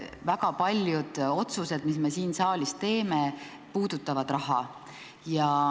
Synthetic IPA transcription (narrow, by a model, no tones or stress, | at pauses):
vækɑpɑlʲjud̪̥o̞t̪suse̞d̪̥misme̞siːnsɑːlʲist̪e̞ːme̞ | puːd̪̥ut̪ːˑɑvɑd̪̥ɾɑɦɑ | jɑ